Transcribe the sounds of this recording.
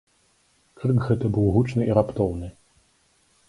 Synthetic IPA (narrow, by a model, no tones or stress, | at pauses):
krɨkɣɛt̪ɐbɨwɣut͡ʂnɨiɾapt̪ɔwnɨ